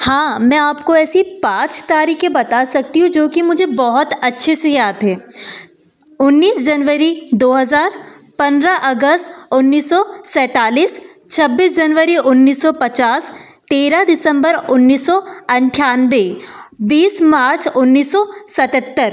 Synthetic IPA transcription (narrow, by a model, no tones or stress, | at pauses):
hãːmɛ̃aːpkoɛːsipãːt͡ʃt̪aːɾiːkẽbɐt̪asɐk̚t̪iɦũd͡ʒoːkimʊd͡ʒʱebɔɦʊt̪ɐtːʃʰesejaːd̪ɦɛː | ʊnːiːsd͡ʒɐnʋəɾid̪oːɦɐzaːɾ | pɐ̃nd̪ɾaʔɐɡəst̪ʊnːiːsːɔsɛ̃ːt̪aːliːs | t͡ʃʰɐbːiːsd͡ʒɐnʋəɾiʔʊnːiːsːɔpɐt͡ʃaːst̪eːɾad̪ɪsə̃mbəɾʊnːiːsːɔɐ̃nʈʰjaːnʋebiːsmaːɾt͡ʃʊnːiːsːɔsɐt̪ət̪ːəɾ